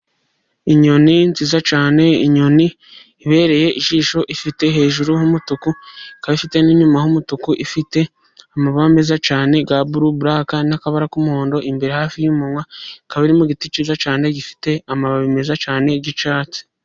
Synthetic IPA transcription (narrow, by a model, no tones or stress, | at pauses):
iɲo̞ninzizat͡ʃaːne̞iɲo̞niː | βe̞ːɾe̞je̞ʔiʒiːʃo̞ʔifite̞ɦe̞ːʒuɾuhumutukukaβifite̞niɲumahumutukuʔifite̞ | amaβaːmbezat͡ʃaːne̞ɡaβuɾuβuɾakanakaβaɾakumuhoːndo̞ʔimbe̞ɾehaːfijumomwakaβiɾimuɡitit͡ʃizat͡ʃaːne̞ɡifi̥te̞amaβaβime̞zat͡ʃaːne̞ɟit͡ʃaːt͡si̥